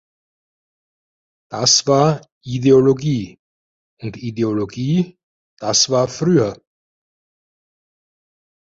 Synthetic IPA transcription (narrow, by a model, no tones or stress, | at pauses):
d̥asv̥aːɐ | ideoloɡiː | ʊntideoloɡiː | d̥asv̥aːɐfʁyːɐ